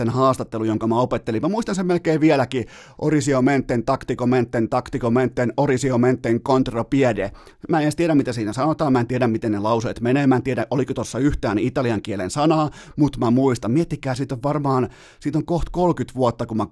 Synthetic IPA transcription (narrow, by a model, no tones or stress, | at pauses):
enhɑːst̪ɑt̪ːelujoŋkɑmæopet̪ːelimæmuist̪ɑnsemmelkeːʋʋiælæki | ʔorisioment̪ːent̪ɑkt̪ikoment̪ːent̪ɑkt̪ikoment̪ːenorisioment̪ːeŋkont̪rɑpiɛde | mæenst̪ieɾæmit̪æsiːnæsɑnot̪ɑːmmæˑent̪ieɾæmmit̪ennelɑuseːt̪meneːmæːnt̪ieɾæʔolikot̪osːɑyht̪æːnit̪ɑliɑŋkielḛnsɑnɑː | mut̪mæmuist̪ɑmmiet̪ːikæːsiːt̪oʋʋɑrmɑːn | siːt̪oŋkoht̪kolkyt̪ʋuot̪ːɑkumæ